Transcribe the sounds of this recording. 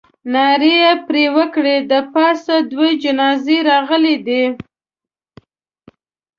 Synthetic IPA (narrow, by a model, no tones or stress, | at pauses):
nɑɾejepɾewəkɽed̪əpɑsad̪wed͡ʒɪnɑzeɾɑɣəled̪i